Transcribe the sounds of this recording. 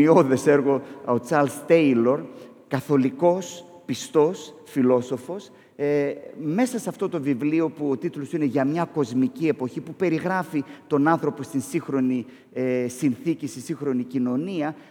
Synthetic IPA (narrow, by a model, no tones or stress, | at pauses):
ioðe̞se̞ɾɣo̞ot͡sɐɾlst̪e̞ilo̞ɾ | kɐθo̞liko̞s | pist̪o̞s | filo̞so̞fo̞s | me̞sɐsɐft̪o̞t̪o̞vivlio̞puot̪it̪lo̞sine̞ʝɐmɲɐko̞zmicie̞po̞çipupe̞ɾiɣɾɐfit̪o̞nɐnθɾo̞po̞st̪insiŋxɾo̞ni | esinθicist̪insiŋxɾo̞nicino̞niɐ